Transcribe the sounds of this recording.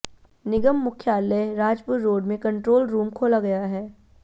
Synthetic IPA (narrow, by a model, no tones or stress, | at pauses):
nɪɡəmːʊkʰjaːləɾaːd͡ʒpuɾːoːɖmẽkɐ̃ɳʈɾoːlɾuːmkʰoːlaɡɐjaɦɛː